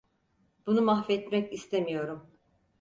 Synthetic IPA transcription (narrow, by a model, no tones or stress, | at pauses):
b̥unumaxfɛt̪mɛcist̪ʰemijo̞ɾum